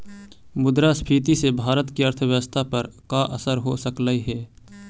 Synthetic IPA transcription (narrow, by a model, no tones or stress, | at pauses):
mʊd̪ɾaspʰiːt̪isebʱaːɾət̪kiəɾt̪ʰəwjəwəst̪ʰapɐɾkaʔəsəɾɦosəkləiɦɛː